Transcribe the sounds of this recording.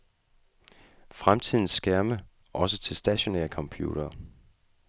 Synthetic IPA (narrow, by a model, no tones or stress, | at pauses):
fʁamt͡sʰið̰ˠn̩sːɡ̥æɐmə | ʔɒ̽s̬ət͡sʰe̝lsd̥æɕo̝nɛ̰ːɐkʰɒ̽mpʰjṵːɾ̥ɐː